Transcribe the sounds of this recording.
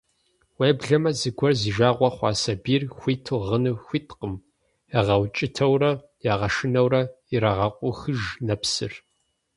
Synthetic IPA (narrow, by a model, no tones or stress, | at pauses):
weːbɮɐmɐzɨɡʷɔrziːʒaːʁʷɔχʷɑ̰ːsɐbiːrxʷiːtʰuʁənɨxʷiːtqəm | ɨʁɐwt͡ʃʼɪtʰɐwrɐ | jaːʁɐʃɪnɐwrɐ | iɾaʁɐqʷʼʊxɨʒnɐpsɨ̰r